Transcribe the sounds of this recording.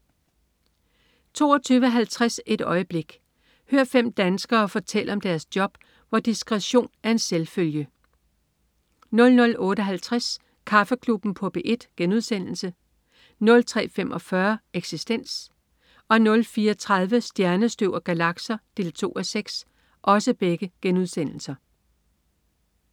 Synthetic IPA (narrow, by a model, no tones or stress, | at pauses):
t͡sʰo̝̰ːɒt͡sʰyːʋəɦælt͡sʰʁase̝d̥ɒ̽ɪəb̥le̝ɡ̥ | høɐ̰fem̰d̥ænsɡ̥ɐːfɒ̽t͡sʰel̰əɒ̽md̥æɐsd̥jɒ̽b̥ | ʋɒd̥isɡ̥ʁɛɕo̝̰ːnæɐe̝nselføljə | nɔ̽lnɔ̽lɔ̽ːɾəɒɦælt͡sʰʁas | kʰɑ̈fəkʰlub̥n̩pʰɔ̽b̥eʔe̝d̥ɡ̥enuð̞ˠsen̰l̩sə | nɔ̽lt͡sʰʁɛ̰ːfem̰ʔɒ̽fɶɐeɡ̥sisd̥en̰s | ɒ̽nɔ̽lfiːɒt͡sʰʁɑ̈ð̞ˠʋəsd̥jæɐnəsd̥øʊɐɡ̥ælɑ̈ɡ̥sɐd̥e̝ːlt͡sʰo̝̰ːɒseɡ̥s | ʔɒ̽səb̥eɡ̥əɡ̥enuð̞ˠsen̰l̩sɐ